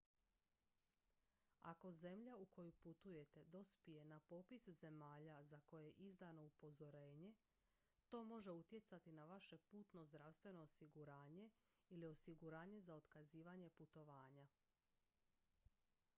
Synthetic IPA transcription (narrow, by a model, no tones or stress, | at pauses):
ako̞ze̞mʎaukʰo̞juput̪uje̞t̪e̞d̪o̞spije̞napo̞pisze̞maːʎazako̞jeeʔizd̪ano̞upo̞zo̞ɾe̞ːɲe̞ | t̪o̞ːmo̞ʒe̞ut̪je̞t̪sat̪inaʋaʃe̞puːt̪no̞zd̪ɾaʋst̪ʋe̞no̞ːsiɡuɾaːɲe̞ | ilio̞siɡuɾaːɲe̞zao̞t̪kaziːʋaɲe̞put̪o̞ʋaːɲa